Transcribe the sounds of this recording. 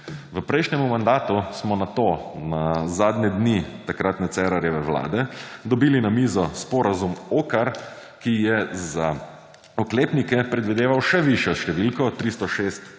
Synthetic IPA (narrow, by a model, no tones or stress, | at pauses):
ʋəpɾɛjʃnʲɛmumand̪aːt̪usmɔnat̪onazaːd̪ɲɛd̪nit̪akɾat̪nɛt̪sɛːɾaɾjɛʋɛʋla̰ːd̪ɛd̪ɔbiːlinamiːzɔspɔɾazumoːkaɾ | kijɛza | ɔkleːpnikɛpɾɛd̪ʋid̪eːʋawʃɛʋiʃjɔʃt̪ɛʋilkɔt̪ɾist̪ɔʃeːst̪